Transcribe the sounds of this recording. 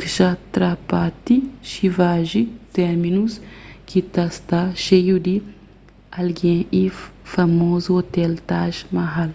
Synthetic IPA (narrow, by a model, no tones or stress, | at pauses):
kiʃat̪ɾapat̪iʃivaʒit̪ɛɾminuskit̪ast̪aʃejud̪i | alɡɛ̃ʔifamozuot̪ɛlt̪aʒmaɦal